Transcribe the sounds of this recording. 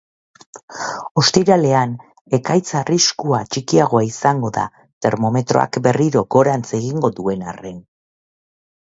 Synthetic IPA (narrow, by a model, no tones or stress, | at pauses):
o̞st̪iɾale̞an | e̞kajt͡sariskuat͡ʃikiaɣo̞aisaŋɡo̞ða̰ | t̪e̞ɾmo̞me̞t̪ɾo̞̰a̰kbe̞riɾo̞ɡo̞ɾant͡se̞ɣ̞iŋɡo̞ðue̞na̰re̞n